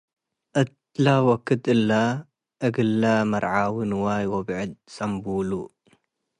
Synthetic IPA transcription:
ʔɨt̪ | lawɐkːɨd̪ɨlːa | ʔɨɡɨlːamɐɾʕawɨnwajwɐbʕɨd̪̚sʼɐmbulu

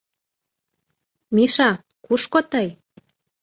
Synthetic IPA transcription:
miʃɑ | kuʃkot̪əj

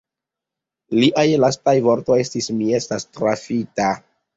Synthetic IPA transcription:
liʔajlastajvo̞ɾto̞je̞stismie̞stastɾafita

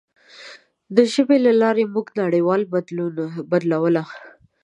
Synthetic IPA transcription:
d̪əʒəbelalɑɾemuɡnaɽewɑlb̪ubad̪lawəla

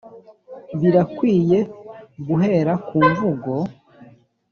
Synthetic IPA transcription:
βiɾakwiːje̞ɡuɦe̞ɾakuːɱvuɡo̞

